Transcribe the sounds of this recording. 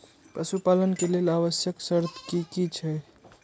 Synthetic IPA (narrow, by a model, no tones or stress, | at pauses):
pɾəsupalənkelelaβəsjəksəɾt̪ʰkikit͡ʃʰɛ